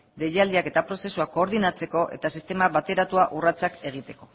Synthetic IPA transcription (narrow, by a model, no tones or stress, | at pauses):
d̪e̞ʎald̪iake̞t̪apɾo̞se̞suakːo̞ːɾðinat͡se̞ko̞ʔe̞̰t̪asist̪e̞maβat̪e̞ɾat̪uaʔurat͡sake̞ɣ̞it̪e̞ko̞̥